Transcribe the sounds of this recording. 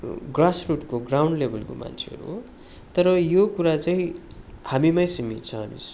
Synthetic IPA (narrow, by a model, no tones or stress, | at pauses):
ɡrasruʈkoɡrawɳɖlebʱʌlko̰ma̰nt͡sʰḛɦʌ̰ɾṵɦo | t̪ʌɾʌjokuɾat͡saĩ | hamimajsimit̪t͡sʰʌɦamḭs